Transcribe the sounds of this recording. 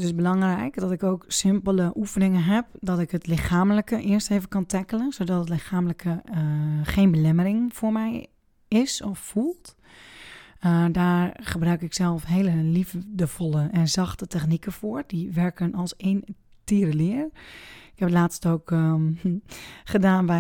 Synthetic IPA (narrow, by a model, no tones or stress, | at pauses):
tɪsbəlɑŋrɛjkdɔtɪkowksɪmpələʔufənɪŋənɦɛp̚dɔtɪkɦətlɪxaːmləkəʔɪəɹstejvəkɑntɛkələnsodɔtətlɪxaːmləkʰə | xeːnbəlɛməɾɪŋfʊːɹmɛj | ɪsɔfːulˠt | daːɹχəbrœɥkɪksɛlˠfɦeːləlivdəvɔlˠəʔɛnzɑxtətɛxnikəfoːɹdiʋɛɹkənɑlˠseːn | tiːɾəlɪərɪkhɛpətlaːtstoːk | χədaːnʋɛ